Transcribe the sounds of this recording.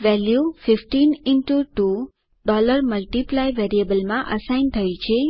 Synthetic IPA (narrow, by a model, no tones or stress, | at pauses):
ʋɛljufɪfʈinɪnʈuʈu | ɖɔləɾməlʈiplajʋɛɾiəbəlmãʔəsajnt̪ʰəjt͡ʃʰe